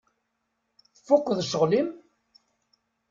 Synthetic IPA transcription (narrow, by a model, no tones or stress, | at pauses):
θəfːʊqʷːðʃəʁlim